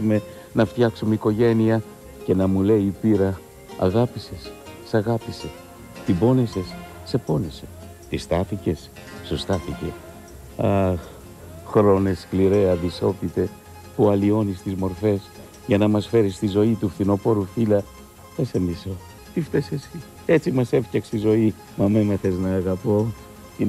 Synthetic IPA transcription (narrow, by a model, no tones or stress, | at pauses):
ume̞ | nɐft̪çɐksumeiko̞ʝe̞niɐ | ce̞nɐmule̞iːpiɾɐ | ɐ̰ɣɐpisessɐɣɐpise̞ | t̪ibo̞nese̞s | se̞ponese | t̪ist̪ɐθice̞s | sust̪ɐθice̞ | ɐ | xɾo̞ne̞skliɾe̞ɐðiso̞pit̪e̞ | puɐlio̞nist̪izmo̞ɾfe̞s | ʝɐnɐmɐsfe̞ɾist̪izo̞it̪ufθino̞po̞ɾufilɐ | θesemiso | t̪ift̪esesis | e̞t͡simɐse̞fcɐkst̪izo̞i | mɐmemɐθe̞znɐːɣɐpo | i